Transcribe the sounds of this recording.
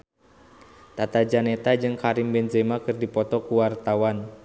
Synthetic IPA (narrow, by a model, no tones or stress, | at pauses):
t̪at̪ad͡ʒanɛt̪ad͡ʒɨŋkaɾimbɛnzɛmakɨrdipɔt̪ɔkuwart̪awan